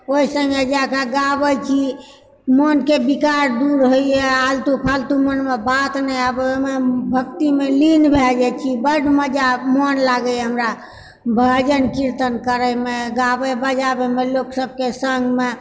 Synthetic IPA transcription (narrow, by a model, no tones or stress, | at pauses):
oisə̃ŋɡed͡ʒakaɡabət͡ʃʰi | monkebikaɾd̪uɾɦoiealt̪upʰalt̪umənmebat̪nɛabmebʱək̚t̪imelinbʱɛld͡ʒɛt͡ʃʰibəɖʱməd͡ʒamonlaɡəjɦəmɾa | bʱəd͡ʒənkiɾt̪ənkəɾəmeɡabəjbəd͡ʒabemeloksəb̚kesəŋɡme